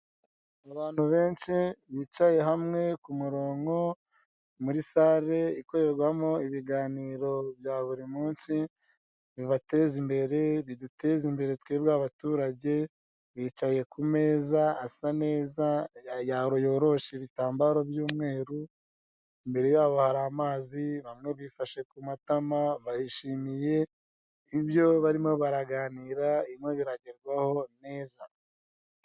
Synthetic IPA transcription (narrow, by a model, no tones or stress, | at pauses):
aβaːnhuβe̞ːnʃiβiːt͡ʃaje̞ɦamŋe̞kumuɾo̞ːŋɡo̞ | muɾisaːɾe̞iko̞ɾe̞ɾɡwamo̞iβiɡaːniːɾo̞βjaːβuɾimuːnsi | βiβate̞zimbe̞ɾe̞βidute̞zimbe̞ɾe̞tweːβɡaβatuːɾaɟe̞ | βiːt͡ʃaje̞kume̞ːzaːsane̞ːzaajaɾo̞jo̞ːɾo̞ʃeβitaːmbaɾo̞bjuːmŋe̞ːɾu | imbe̞ɾe̞jaːβo̞haɾamaːziβamŋe̞βifaʃe̞kumatamaβajiʃiːmije̞ | iβjo̞βaɾimo̞βaɾaɡaːniɾaimŋe̞βiɾaɟeɾɡwaho̞ne̞ːza